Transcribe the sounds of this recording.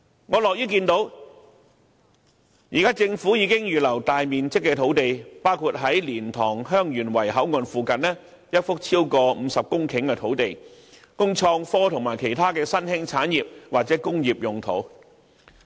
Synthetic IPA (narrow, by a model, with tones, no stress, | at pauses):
ŋɔː˨˧lɔː˨˩jyː˥kiː˧nt̪o˨˥w | jiː˨˩kaː˥t͡sɪ˧ŋfuː˨˥jiː˨˧kɪ˥ŋjyː˨lɐ˨˩wt̪aː˨jmiː˨nt͡sɪ˥kːɛː˧t̪ʰo˨˥wt̪e˨jpaː˥wkʰu˧t̚ɦɐ˨˥jliː˨˩nt̪ʰɔː˨˩ŋɦœː˥ŋjyː˨˩nwɐ˨˩jɦɐ˨˥wŋɔː˨˧nfuː˧kɐ˨nnɛː˥ | jɐ˥t̚fʊ˥k̚t͡sʰiː˥wkɔː˧m̩ː˨˧sɐ˨p̚kʊ˥ŋkʰɪ˨˥ŋkɛː˧t̪ʰo˨˥wt̪e˨j | kʊ˥ŋt͡sʰɔː˧ŋfɔː˥t̪ʰʊ˨˩ŋmaː˨˩jkʰe˨˩jt̪ʰaː˥kɛː˧sɐ˥nhɪ˥ŋt͡sʰaː˨˥njiː˨p̚waː˨k̚t͡sɛː˨˥kʊ˥ŋjiː˨p̚jʊ˨ŋt̪ʰo̰˨˥w